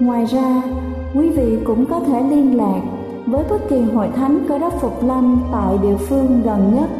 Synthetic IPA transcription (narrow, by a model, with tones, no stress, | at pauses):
ŋwaː˨˩jzaː˧ | kwi˨˦vḭ˧˨kʊ̰˧˥ŋ͡mkɔ˨˦t̪ʰe˧˩li˧ənlaː˨˩k̚ | vəː˨˦jt̪ə˦˥t̚ki˨˩ənɦo̰˧˨jt̪ʰa˨˦jŋ̟kəː˧˩ɗə˦˥p̚fʊ˨˩k͡p̚la˧nt̪a̰ː˧˨jɗḭ˧˨əfɨ˧əŋɣə˨˩nɲə˦˥t̚